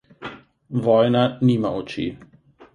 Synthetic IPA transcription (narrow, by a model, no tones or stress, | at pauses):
ʋɔjnaniːmaot͡ʃḭ